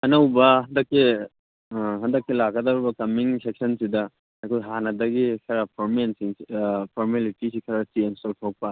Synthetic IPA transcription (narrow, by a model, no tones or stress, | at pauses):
ɐnawbɐɦɐndɐkːi | ɦɐndɐkːilaɡɐdaɾɔbɐkɐmiŋsek̚sɐnsida | akʰɔjɦanɐdɐɡikʰɐɾapʰɔɾmensiŋpʰɔɾmelitisikʰɐɾasiensɔlpʰawk̚pa